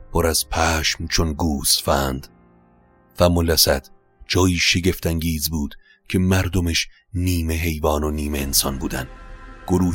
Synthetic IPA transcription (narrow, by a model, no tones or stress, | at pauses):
pʰoɾæz̥pʰæːʃmt͡ʃʰonɡuːsfæːnd̪̥ | fæmolæsæd̪̥ | d͡ʒɒːjiːʃe̞ɟe̞ft̪æŋɟiːzbuːd̪̥ | cʰe̞mæɾd̪omeʃ | niːme̞ɦe̞jvɒːnoniːme̞ːnsɒnbuːd̪ænd̪ɡ̥oɾuː